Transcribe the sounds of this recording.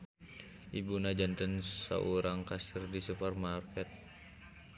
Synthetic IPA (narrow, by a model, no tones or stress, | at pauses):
ʔibunad͡ʒɔnt̪ənsa̰ʔuɾaŋkasərdisupərmarkɛt̪̚